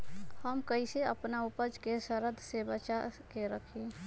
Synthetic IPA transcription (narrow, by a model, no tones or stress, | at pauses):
həmkəiseəpnaupəd͡ʒkesəɾəd̪ʱsebət͡ʃakeɾəkʰi